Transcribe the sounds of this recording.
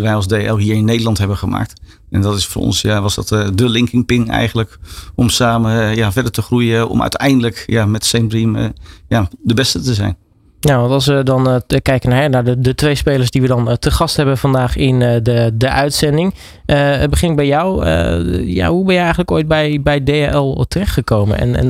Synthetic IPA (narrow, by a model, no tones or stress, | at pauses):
ʋɛjɑlˠzdeɛlˠɦiːɹɪnːejdəlɑntɦɛbəχəma̰ːk̚t | ɛndɔtɪsfo̰ːɹɔ̰nsjaʋɑsdɑ̰tdəlɪŋkɪŋpɪŋɛ̰jχənələkɔmsaːməjavɛɹdəɹtəχrujəɔ̰mœ̰ɥtɛ̰jndələkjamɛtsɛmbrimjadəbɛstətəzɛ̰jn | naʋɑntɑlˠsʋədɑnkɛjkənaɹɦɛnaɹdədətʋejspeːləɹsdiʋədɔntəχɑstɦɛbənfɑndaːχɪndədəʔœɥtsɛndɪŋ | əbəχɪnɪk̚bɛjɔwə̰ja̰ɦubɛnjɛjɛjχənləkoːjt̚bɛjbɛjdeaʔɛlˠtərɛχtχəkowmə̰nɛ̰nɛ̰n